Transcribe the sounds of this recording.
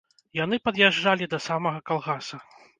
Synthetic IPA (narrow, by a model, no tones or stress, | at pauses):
jan̪ɨpɐd̪jaʐd͡ʐalʲid̪ɐsamɐɣɐkalˠɣasɐ